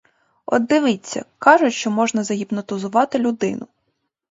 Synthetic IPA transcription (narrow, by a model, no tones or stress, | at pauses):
ɔ̰d̪ːɪʋɪt͡sʲːɐ̰kɑʒʊʃt͡ʃɔmɔʒnɐzɐɦʲibnɔt̪ʊzʊʋɑt̪ɪlʲʊd̪ɪnʊ